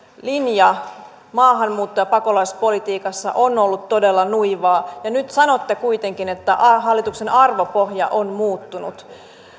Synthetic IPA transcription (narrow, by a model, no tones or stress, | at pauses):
linjɑ | mɑːɦɑmmuːt̪ːojɑpɑko̞lɑispo̞lit̪iːkɑsːɑ̰ʔo̞nolːut̪tːo̞delːɑnuiʋɑːjɑnyt̪sɑno̞t̪ːekuit̪e̞ŋkinet̪ːæʔɑɦɑlːit̪ukse̞nɑrʋo̞poɦjɑ̰ʔonmuːt̪ːunṵt̪